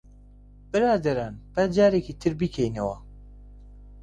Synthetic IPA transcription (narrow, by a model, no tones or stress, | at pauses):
bɨɾaːd̪ɐɾaːnbɛd͡ʒaːɾekiːt̪ʰɨɾbikʰɛjnewa